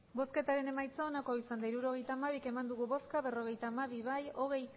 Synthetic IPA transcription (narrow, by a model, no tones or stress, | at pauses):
bo̞ske̞t̪aɾe̞ne̞majt͡saonakoisand̪aiɾuɾo̞ɣ̞e̞jt̪aːmaβ̞ike̞mand̪uɣuβo̞skaβe̞ro̞ɣ̞e̞jt̪aːmaβiβajo̞ɣ̞e̞j